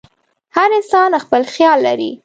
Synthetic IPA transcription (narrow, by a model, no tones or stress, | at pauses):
haɾɪnsɑnaxpəlxjɑlːaɾḭ